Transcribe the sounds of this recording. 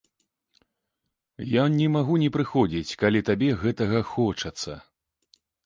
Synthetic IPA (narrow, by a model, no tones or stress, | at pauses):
janʲɛmaɣunʲɛpɾɨxɔd͡zʲit͡sʲkalʲit̪abʲɛɣɛt̪ɐɣɐxɔt͡ʂɐt̪sɐ̰